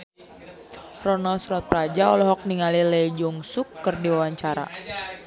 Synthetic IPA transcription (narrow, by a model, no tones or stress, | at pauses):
rɔnalsuɾat̪̚pɾad͡ʒaɔlɔɦɔk̚niŋaliled͡ʒuŋsukːərdiwawaɲt͡ʃaɾa̰